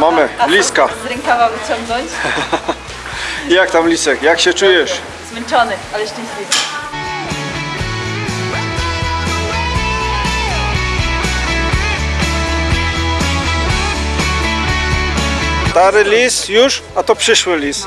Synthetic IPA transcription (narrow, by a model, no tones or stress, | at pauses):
mamɘlʲiskazɾɛŋkɔvavɪt͡ɕɔŋɡnɔɲt͡ɕ | jakt̪amlʲisɛkjakɕɛt͡ʂujɛʂ | zmɛnt͡ʂɔnɛalɛʂtɛ̃ɲɕlʲitɛ | st̪aɾɘlʲist̪juʂ | at̪ɔpʂɘʂwɘlʲis